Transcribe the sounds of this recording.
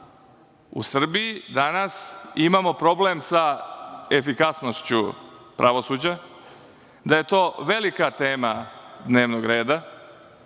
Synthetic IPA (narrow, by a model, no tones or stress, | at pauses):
ṵsr̩bijid̪anasimamo̞pɾo̞ble̞msaefikasno̞ʃt͡ɕupɾʔaʋo̞suːd͡ʑa | d̪aje̞t̪o̞ːʋe̞likat̪eːmad̪ne̞ːʋnoɡɾe̞ːd̪a